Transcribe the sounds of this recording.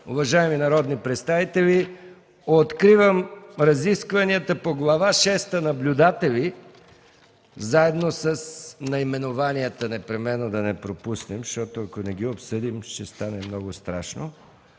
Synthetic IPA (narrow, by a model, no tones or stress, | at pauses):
ʊ̰vɐʒaɛminɐɾɔd̪nipɾɛt̪st̪avit̪ɛvi | ot̪kɾivəmɾɐziskvɐniət̪əpoɡlˠɐvaʃɛst̪ənɐblʲʊd̪at̪ɛli | zaɛd̪nosəsnɐimɛnʊvaniət̪ənɛpɾɛmɛnːod̪ɐnɛpɾopusnɛmʃt̪ɔt̪ʊɐkonɛɡ̟iopsɤd̪imʃtɛst̪anɛmnɔɡʊst̪ɾa̰ʃno̰